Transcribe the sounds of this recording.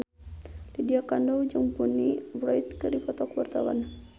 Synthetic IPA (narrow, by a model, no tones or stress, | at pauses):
lidiakandɔwd͡ʒuŋpunivɾɔjt̪kəɾipɔt̪ɔkwart̪awa̰n